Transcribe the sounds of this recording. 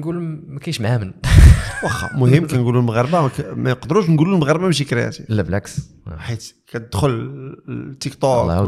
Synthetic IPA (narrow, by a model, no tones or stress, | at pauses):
nɡulmækæʃmhæmənwɑxɑ̰mʊhəmːkænɡulunmɣɑɾˤbamænqd̪ɾuʃ̬nɡulunməɣɑɾˤbamʃ̬ikɾjæ̰t̪ilːæblæks | ħit̪kæt̪əd̪xʊl | t̪ːikt̪ˤɑ